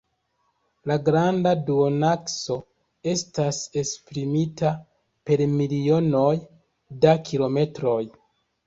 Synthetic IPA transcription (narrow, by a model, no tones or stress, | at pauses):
laɡɾandaduonakso̞ | e̞stase̞spɾimita | pe̞ɾmilio̞no̞j | dakʰilo̞me̞tɾo̞j